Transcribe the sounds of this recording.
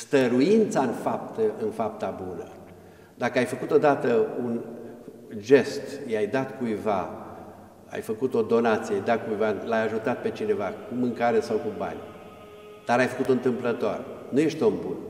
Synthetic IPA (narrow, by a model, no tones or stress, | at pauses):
st̪əɾuint̪saɨnfap̚t̪əɨnfap̚t̪abunə̰ | d̪akəajfəkut̪o̞d̪at̪əun | ʒe̞st̪jajd̪at̪kujva̰ | a̰jfəkut̪o̞d̪o̞nat̪sieajd̪at̪̚kujvalajaʒut̪at̪̚pe̞t͡ʃine̞vakumɨŋkaɾesawkuba̰nʲ | d̪̥aɾajfəkut̪oɨnt̪ɨmplət̪oa̰ɾenuje̞ʃt̪eombun